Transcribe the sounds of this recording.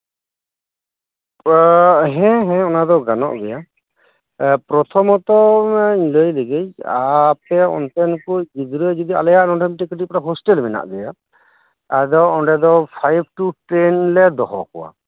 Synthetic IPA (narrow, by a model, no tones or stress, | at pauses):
ɦɛ̃ɦɛ̃ɔnad̪ɔɡanɔ̰ʔbɛja | pɾɔt̪ʰɔmɔt̪ɔiɲləjləɡeja̰pɛɔ̰nt̪ɛnkujd͡ʒid̪uɾəd͡ʒɔd̪ia̰lɛjaʔnɔnʈʰɔmʈikiʈipɔɾaɦɔsʈɛlmɛna̰ʔdɛja | ad̪ɔɔɖɛd̪ɔpʰajb̚ʰʈuʈɛnlɛd̪ɔɦɔ̰kɔwa̰